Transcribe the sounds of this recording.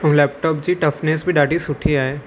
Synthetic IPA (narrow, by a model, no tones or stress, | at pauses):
ʊ̃lɛːp̚ʈɔːpd͡ʒiʈɐfʰneːsbʱiɖaːɖisʊʈʰiaːeː